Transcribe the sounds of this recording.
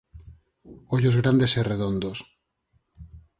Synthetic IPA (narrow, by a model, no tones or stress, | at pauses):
oʝozɣɾand̪e̞sereðond̪os